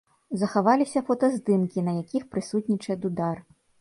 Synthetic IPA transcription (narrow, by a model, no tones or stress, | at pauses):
zɐxavalʲisʲɐfɔt̪ɐzd̪ɨmkʲinɐjakʲixpɾɨsut̪ʲnʲit͡ʂɐɛd̪ud̪ar